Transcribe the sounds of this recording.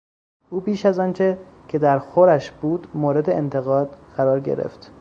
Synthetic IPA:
ʔuːbiːʃæzɒːnt͡ʃʰe̞cʰe̞d̪æɾxoɾæʃb̥uːd̪moːɾe̞d̪eːnt̪ʰe̞ɣɒːd̪̥ɢ̥æɾɒːɾɟḛɾḛft̪

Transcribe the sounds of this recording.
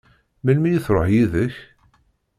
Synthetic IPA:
mælmijiθɾˤoħjiðəç

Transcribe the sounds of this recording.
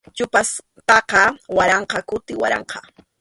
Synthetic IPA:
t͡ʃʊpas | pɑqɑwaɾɑɴqɑkʊt̪ɪwa̰ɾɑ̰ɴqʰɑ

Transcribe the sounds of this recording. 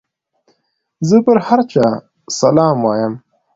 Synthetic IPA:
zəpəɾhaɾt͡ʃɑː | sɐlɑːmwaːjəm

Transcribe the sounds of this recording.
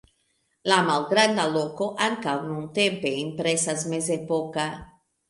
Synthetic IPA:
lamawɡɾand̪alokoʔaŋkawnunt̪empeimpɾesazmezepoka

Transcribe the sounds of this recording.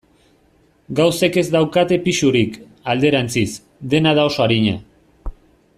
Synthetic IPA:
ɡawseke̞zd̪awkat̪e̞piʃuɾik | ald̪e̞ɾant͡sis | d̪e̞naðao̞soaɾiɲa̰

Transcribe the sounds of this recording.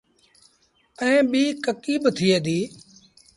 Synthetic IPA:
əẽːɓiːkəkiːɓt̪ʰiːeːd̪iː

